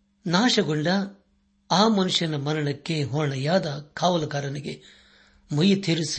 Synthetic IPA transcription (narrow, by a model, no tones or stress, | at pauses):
naːʂɐɡoɳɖɐ | aːmɐnuʂjɐnɐmɐnɐɳɐkːeɦɔːɾɐɳɐjaːd̪ɐkʰaːʋɐlɐkaːɾɐniɡḛ | mujit̪ʰiɾus